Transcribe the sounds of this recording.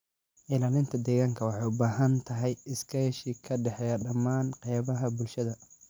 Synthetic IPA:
ʔɪlaːlɪnt̪ʰɐd̪ɛːɣaːŋkʰɐwɑħɑjʊbaːɦɐnt̪ʰɐɦɛjɪskʰɛʃɪkʰɐɖɛħɛjɐɖɐmaːnqɛjβɐɦɐbʊlʃɐðɐ

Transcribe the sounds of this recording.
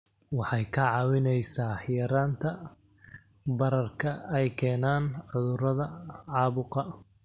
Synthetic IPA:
wɑħɑjkʰɐʕɑːwɪnɛjsaːhjɐɾaːnt̪ʰɐ | bɐɾɐrkʰɐɛjkʰɛːnaːnʕʊðʊɾɐðɐʕɑːβʊqɑ

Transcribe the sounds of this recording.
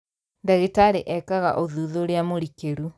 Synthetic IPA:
ndaɣitaɾeʔɛkaɣa̰ʔoðuðoɾeamoɾikeɾu

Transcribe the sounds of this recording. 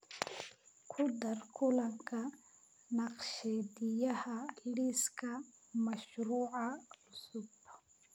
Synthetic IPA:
kʰʊd̪ɐrkʰʊlɐŋkʰɐ | nɑqʃɛːd̪ɪjɐhɐliskʰɐmɐʃruːʕɑlʊsʊb

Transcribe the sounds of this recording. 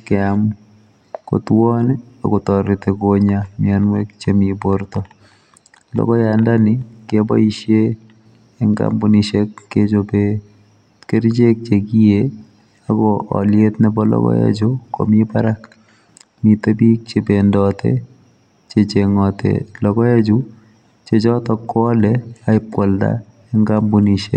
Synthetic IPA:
kɛam | ko̰t̪wɔnɛa̰kotɔɾɪt̪ekoɲamianwekt͡ʃemiboɾt̪ɔ | lɔ̰kɔjandanɪkebɔ̰iʃje | ɛŋɡa̰mbuniʃekːet͡ʃope | keɾt͡ʃek̚t͡ʃekije | aɡɔɔ̰liet̪nɛbɔlɔ̰ɡɔ̰jḛd͡ʒukɔ̰mipaɾak | mit̪əbik̚t͡ʃebendɔːt̪ḛ | t͡ʃet͡ʃeŋɔt̪ḛlɔɡɔjed͡ʒu | t͡ʃed͡ʒɔt̪ɔkːɔːlɛaip̚kɔld̪a̰ | eŋɡambuniʃḛ

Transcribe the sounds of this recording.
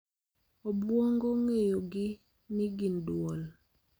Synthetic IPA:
obwɔŋɡoŋejoɡɪ | niɡindwɔl

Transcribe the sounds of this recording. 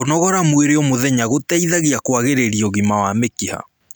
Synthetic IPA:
onɔɣɔɾamweɾeɔmoðɛɲaɣotɛiðaɣiakwaɣeɾeɾiɔɣimawamekiha̰

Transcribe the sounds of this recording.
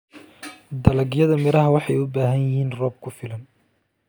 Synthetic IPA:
d̪ɐlɐɡjɐðɐmɪɾɐɦɐwɑħɑjʊbaːɦɐjɪhiːnrɔːb̚kʰʊfɪlɐn

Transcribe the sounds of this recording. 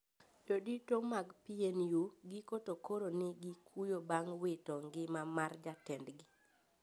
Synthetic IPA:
joditomaɡpienjuɡikotokoɾonɪɡikʰujobaŋwɪtɔŋɡɪmamard͡ʒatɛndɡɪ

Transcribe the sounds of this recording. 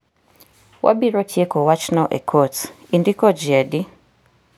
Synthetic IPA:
wʔa̰biɾɔtʰjekɔwat͡ʃnaʔɛ̰kʰɔt | indikɔd͡ʒɛdi

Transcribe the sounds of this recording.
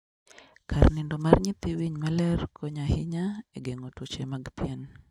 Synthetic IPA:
kʰarnɪndomarɲɪt̪iwiɲmalɛrkʰoɲahɪɲaeɡeŋotot͡ʃemaɡpjɛn

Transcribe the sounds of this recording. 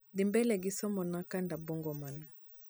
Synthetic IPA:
dimbɛlɛɡisɔmɔnakandabɔŋɡɔman

